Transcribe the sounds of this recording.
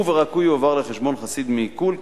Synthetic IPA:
veʁakujovaʁleχeʃbonχasid̪mikul

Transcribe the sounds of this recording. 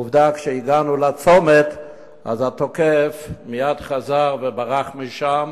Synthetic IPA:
uvdakʃɛiɡanulat͡somet | a̰zatokɛfmijadχazaʁvɛbaʁaχmiʃam

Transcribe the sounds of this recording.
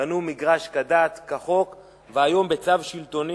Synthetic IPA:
anumiɡʁaʃkad̪at̪kaχo̞k | veajo̞mbet͡savʃilt̪o̞ni

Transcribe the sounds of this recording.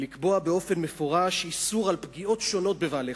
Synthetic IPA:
likbo̞abeo̞fe̞nmefoʁaʃisuʁalpɡio̞tʃo̞no̞t̪̚bevaːle

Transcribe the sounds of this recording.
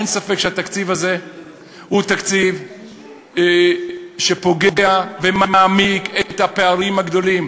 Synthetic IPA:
ensafekʃeat̪akt͡sivaze̞ | hut̪akt͡siv | ʃepo̞ɡeɡeavemamaːmiket̪hapeaʁimhaɡd̪o̞lim

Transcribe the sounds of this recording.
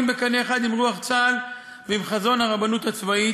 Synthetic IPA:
mbekaneːχad̪imʁuaχt͡sal | veimχazo̞nhaʁabanut̪at͡svai

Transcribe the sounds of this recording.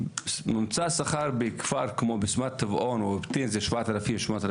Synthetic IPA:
nɪmt͡sasaχaɾbɪkfaɾkmobɪsmat̪avɔnubt̪inzɛʃvat̪aɾafimʃmatɾ

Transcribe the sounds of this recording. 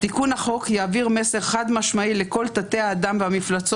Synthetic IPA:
t̪ikunaχo̞kjaːviʁmese̞ʁχad̪maʃmaile̞ko̞lt̪at̪e̞haːd̪amveamiflat͡so

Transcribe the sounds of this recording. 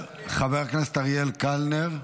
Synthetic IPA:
χaveʁknest̪aʁjelkalneʁ

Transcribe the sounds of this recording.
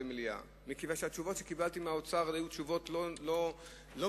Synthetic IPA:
emlia̰ | mikivanʃeat̪t͡ʃuvo̞t̪ʃekibalt̪imeaot͡saʁajutʃuvo̞tlolo | lo

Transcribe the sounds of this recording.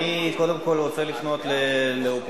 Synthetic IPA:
ikod̪emko̞lʁot͡selifno̞t̪leleop

